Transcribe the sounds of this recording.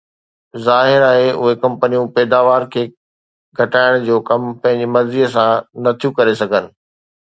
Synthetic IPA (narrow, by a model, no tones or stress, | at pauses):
zaːɦɪɾaːɦeʊ̰ɦekɐ̃mpənijũpɛːd̪aːʋaːɾkʰeː | ɡʱɐʈaːɪɽ̃d͡ʑoːkɐmpɐ̃ɦɪ̃ɲd͡ʑimɐɾziːəsãnɐt̪ʰijũkɐɾesɐɡʱənɪ̆